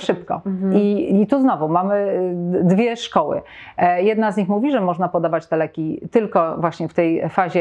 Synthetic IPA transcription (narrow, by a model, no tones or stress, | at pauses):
ʂɘpkɔ̰it̪uznɔvumamɘd̪vʲjɛʂkɔwɘ̰jɛd̪nazɲixmuvʲiʐɛmɔʐnapɔd̪avat͡ɕt̪ɛlɛkʲit̪ɘlkɔvwaɕɲɛft̪ɛj̰faʑɛ